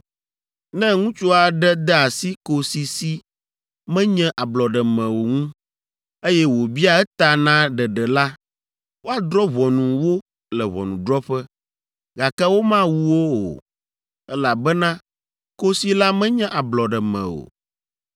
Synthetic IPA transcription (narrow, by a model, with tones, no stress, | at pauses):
nɛ̃˦ŋũ˦t͡ʃo˦a˨ɖɛ˦d̪ɛ˦a˨si˦ko˨si˨si˦ | mɛ̃˦ɲɛ̃˦ʔa˨blɔ˨ɖɛ˨mɛ̃˨wo˨ŋũ˦ | e˦jɛ˦wo˨bi˦a˦ɛ˦t̪a˨nã˦ɖɛ˨ɖɛ˨la˦ | wo˦a˨d̪ɾɔ˦βɔ˨nũ˨wo˦ | lɛ˨βɔ̰˨nũ˨ɖ̪ɾɔ˦ɸɛ˦ | ɡa˨kɛ˦wo˦mã˦wu˦wo˦o̰˨ | ɛ˦la˨bɛ˦nã˦ | ko˦si˦la˦mɛ̃˦ɲɛ̃˦ʔa˨blɔ˨ɖɛ˨mɛ̰̃˨o̰˨